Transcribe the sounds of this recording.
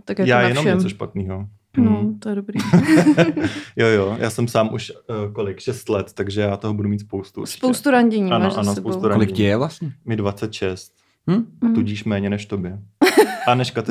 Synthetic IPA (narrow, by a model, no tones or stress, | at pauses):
t̪akjajaːjɛnomɲɛt͡soʃpat̪niːɦo̞ | not̪ojɛdobɾiː | jojojʔa̰ːsɛmsaːmʔuʃko̞lɪkʃɛst̪lɛt̪ːaɡʒɛjaːt̪oɦobudumiːt̪spowst̪uʔspowst̪uɾaɲɟɛɲianʔanosowst̪uɾakolɪkcɛjɛvlasɲɛmɪdvat͡sɛt̪ʃɛst̪̩̚ː | uɟiːʃmɛːɲɛnɛʃt̪objɛʔanɛʃkat̪